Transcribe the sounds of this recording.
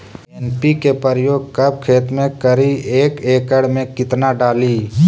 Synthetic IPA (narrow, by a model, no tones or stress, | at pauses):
eːnpikepəɾjoːɡ̚kɐb̚kʰeːt̪mẽkəɾieːkeːkəɽmẽkɪt̪naɖaːliː